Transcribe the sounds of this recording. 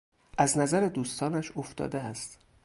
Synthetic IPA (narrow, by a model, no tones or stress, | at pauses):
ʔæznæzæɾed̪uːst̪ɒːnæʃoft̪ɒ̰ːd̪eæst̪